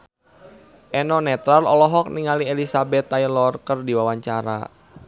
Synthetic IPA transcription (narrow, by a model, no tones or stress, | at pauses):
ʔɛnɔnɛt̪ɾalɔlɔɦɔk̚niŋalielisabɛt̪ːaijlɔrkərdiwawaɲt͡ʃaɾa̰